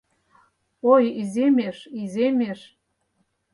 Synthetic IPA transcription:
ojizemeʃizemʲeʃ

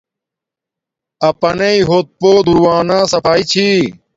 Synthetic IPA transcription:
ɐpɐneiɦoːt̪̚poːd̪uɾwaːnaːsɐpʰaːit͡ɕʰiː

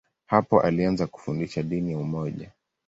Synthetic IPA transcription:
hapɔʔalianzaku̥fundiʃaɗinijaumɔʄa

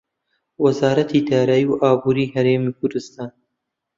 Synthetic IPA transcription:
wɐzaːɾɐt̪ʰiːd̪aːɾaːjiwʔaːbuːɾiːhɐɾeːmiːkʰʊɾd̪ɨst̪aːn

